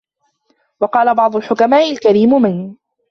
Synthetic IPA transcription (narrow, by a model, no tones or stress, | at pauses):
wɑqɑːlabɑʕd̪ˤʊlħʊkamaːʔɪlkaɾiːmmɪn